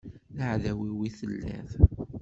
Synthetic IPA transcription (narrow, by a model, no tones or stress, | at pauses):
ləʕðæwiwiθəlːæ̰θ